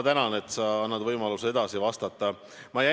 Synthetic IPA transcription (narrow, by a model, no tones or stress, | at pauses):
t̪ænɑne̞t̪ːˑsɑɑnːɑd̪vɤjmɑlusee̞d̪̥ɑsivɑst̪ɑt̪ˑːɑ | mɑjæ